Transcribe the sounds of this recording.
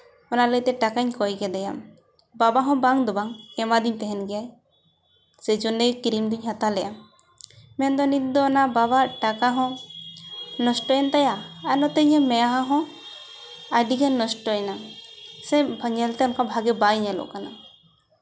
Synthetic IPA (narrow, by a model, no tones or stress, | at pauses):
ɔnalət̪ɛʈakaɲkɔjɡɛd̪ɛjam | babaɦɔ̃baŋd̪ɔbaŋɛmad̪iɲt̪ɛɦɛnɡɛjaj | sɛd͡ʒɔnːɛɡkiɾimd̪uɲɦat̪alɛjʔam | mɛnd̪ɔnit̪̚d̪ɔɔnaʔbabaʈakaɦɔ̃ | nɔsʈɔjɛnt̪ajaanɔt̪ɛɲɛmɛjaɦaɦɔ̃ | ajɖiɡɛnnɔsʈɔɛnasɛbʱəɲɛlt̪ɛɔnkabʱaɡɛbajɲɛlɔ̰ʔkana